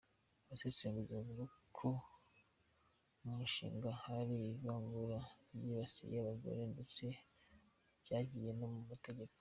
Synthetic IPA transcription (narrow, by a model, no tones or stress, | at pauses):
βaseseːmɡuzemuɾukʰo | mumuʃḭːŋɡahaɾizaːŋɡuɾajiβasḭjaβaɡo̰ɾendet͡se̞ | b̥jaːɟije̞nomumate̞ɟe̞ko